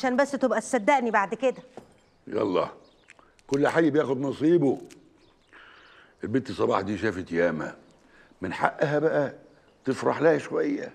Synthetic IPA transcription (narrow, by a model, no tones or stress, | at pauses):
ʃæːnbæsːt̪ebʔæsæd̪ːæʔnibaʕd̪ked̪æ | jɑ̰lˤːɑ̰ː | kʊlːħajːbjæːxʊd̪nɑsˤiːbo | ʔɪlbeːt̪ːisˤːɑbɑ̰ːħd̪iːʃæːfit̪jæːmæ̰ | mɪnħa̰ʔːɦæbæʔæ | t̪ɪfɾɑħlæhæʃowæjːæ̰